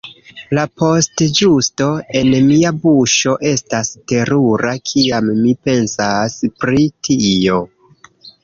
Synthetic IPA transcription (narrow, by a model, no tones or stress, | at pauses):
lapo̞std͡ʒusto̞e̞nmiabuʃo̞ʔe̞staste̞ɾuɾakʰiamːipe̞nsaspɾitʰio̞